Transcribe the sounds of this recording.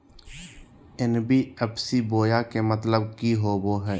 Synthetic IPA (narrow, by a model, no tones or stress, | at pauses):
ɪnbʱiəbsiboːjakemət̪ləb̚kiɦoːboːɦɛː